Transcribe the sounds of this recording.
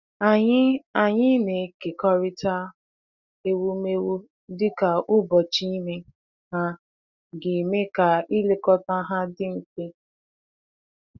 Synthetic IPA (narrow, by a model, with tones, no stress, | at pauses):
a˨ɲ˦a˨ɲɪ˦ne˨ke˨kɔ˦ɾɪ˦ta˦ | e˦wu˦me˦wu˦ | dɪ˦ka˨ʔʊ˦bɔ˨t͡ʃi˦me˦ | ha˦ | ɡɪ˨me˦ka˨i˦le˦kɔ˦ta˦ɦa˦dɪ˦m̩˦te˦